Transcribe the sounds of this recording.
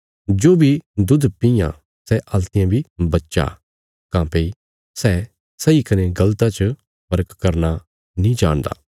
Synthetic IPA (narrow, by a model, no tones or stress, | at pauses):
d͡ʒoːbʱid̪ʊd̪pɪjã̰ | sɛʔɐlt̪ɪjãbʱibɐtːʃa̰ | kãːpei | sɛ | sɐikɐneɡɐlt̪at͡ʃə | pɐɾəkkɐɾna | nĩd͡ʒaːɽ̃d̪a̰ː